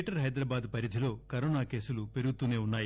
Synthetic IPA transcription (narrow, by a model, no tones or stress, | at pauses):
ʈɐɾɦɐjd̪ɾɐːbaːd̪pɐɾid̪ʱilo̞ːkɐɾɔːnaːke̞ːsulupe̞ɾuɡut̪uːne̞ːunːaːji